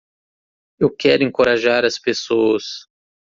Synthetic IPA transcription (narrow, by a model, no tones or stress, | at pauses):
ewkɛɾʊẽŋkoɾaʒaɾɐspesoɐs